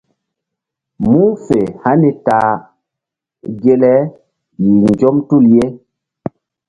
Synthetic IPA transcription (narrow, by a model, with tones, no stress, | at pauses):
mu˦fe˨ha˦ni˨taː˨ | ɡe˦lɛ˦ | i˨ŋ˨ɡɔ˦mtu˦˨lje˦